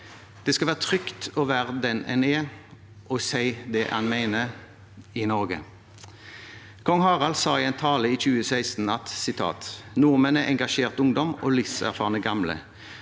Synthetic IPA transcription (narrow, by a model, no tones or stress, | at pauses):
d̪̥ɛːskɑlʋæːʁət̪ʰʁʏkt̪oːʋæːʁd̪ɛnɛ̰neː | ʔɔsæɪd̪ɛʔhɑ̰nmæɪnə | ɪnɔʁɡə̰ | kʰɔŋhɑːʁɑlsɑːiːɛɪnt̪ʰɑːləiːçʉːəsæɪst̪n̩ɑt̪sɪt̪ʰɑ̰ːt̪nuːʁmənɛʔɛŋɡɑʃeːʁt̪ʊŋd̪ɔmoːlɪsæ̰ʁfɑːʁnəɡɑmlə̰